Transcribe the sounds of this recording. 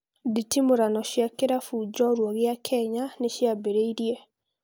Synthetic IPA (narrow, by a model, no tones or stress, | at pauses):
ditimoɾanɔʃjakeɾafud͡ʒɔoɾwɔɣeakʰɛɲaneʃjabeɾeiɾie